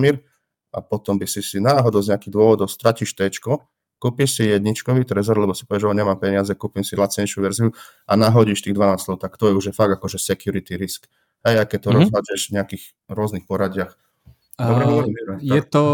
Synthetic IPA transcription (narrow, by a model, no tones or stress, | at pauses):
miɾ | ʔa̰pɔt̪ɔmbisisinaːɦɔd̪ɔʊzɲɛakiːɣd̪ʊɔʋɔd̪ɔʊst̪ɾaciʃt̪ɛt͡ʃkɔ | kuːpiʃsijɛd̪ɲit͡ʃkɔʋiːt̪ɾɛzɔɾlɛbɔsi̥pɔʋɛʒɔɲɛmaːmpɛɲɪazɛkuːpimsilat͡sɲɛʃuʋɛɾziu | ʔanaɦɔɟiʃt̪iːɣd̪ʋanaːst̪lɔʊt̪akt̪ɔjɛuʒjɛfaɡakɔʒɛsɛkjuɾit̪iɾisk | ɦɛjakːɛct̪ɔɾɔzɦad͡ʒɛʃvɲɛakiːx | ɾʊɔznixpɔɾaɟɪax | dɔbɾɛimiɾɛt̪ɔ